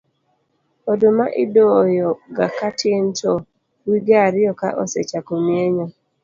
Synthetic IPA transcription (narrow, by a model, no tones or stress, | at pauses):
odomaʔidɔjɔɡakatʰentɔ | wiɡaɾɪjɔka̰ʔɔ̰sɛ̰t͡ʃakomjeɲɔ